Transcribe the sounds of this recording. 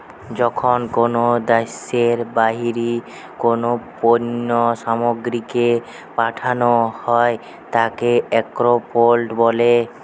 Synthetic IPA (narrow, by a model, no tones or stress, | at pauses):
d͡ʑɔkʰonkonod̪aseɾbaɦiɾi | konoponːoʃamoɡɾike | paʈʰanohɔe | t̪akeɛkɾopolʈbole